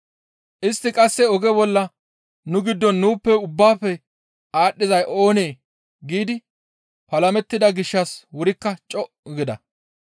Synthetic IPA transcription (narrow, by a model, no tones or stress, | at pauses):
ʔɪst̪ːɪkʼɐsːɛɔɡɛbɔlːɐ | nʊɡɪd̪ːɔnːuːpːɛʊbːaːfːɛ | aːɗːɪzɐjʔo̞ːne̞ː | ɡiːd̪ɪ | pɐlɐmɛt̪ːɪd̪ɐɡɪʃːɐswʊɾɪkːɐt͡ʃʼɔʔɡɪd̪ɐ̰